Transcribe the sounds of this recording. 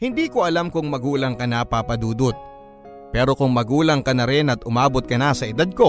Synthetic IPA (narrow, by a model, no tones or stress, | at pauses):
hɪnd̪iːko̞ʔɐlamkʊŋmɐɡuːlɐŋkɐnapapɐd̪uːd̪ot̪̚ | pɛːɾo̞kʊŋmɐɡuːlɐŋkɐnɐɾɪnɐt̪ʔʊmaːbot̪̚kɐnasɐʔɪd̪ad̪̚ko̞